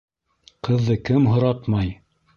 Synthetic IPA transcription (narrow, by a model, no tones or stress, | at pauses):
qʰɤ̆ðːɤkɘmɦŏɾɑt̪mɑj